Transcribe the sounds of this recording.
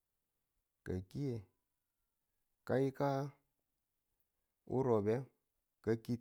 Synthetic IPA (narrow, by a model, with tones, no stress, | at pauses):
kə˨ki˦je˨ | ka˦i˦ka˦ | ṵ˦ɾo˨bɛ˦ | kə˨ki˦